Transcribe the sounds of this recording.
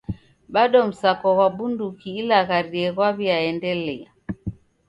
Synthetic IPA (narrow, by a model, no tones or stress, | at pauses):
ɓaɗɔm̩sakɔɣwaɓundukiːlaɣaɾiɛɣwaβiaɛndɛlɛa̰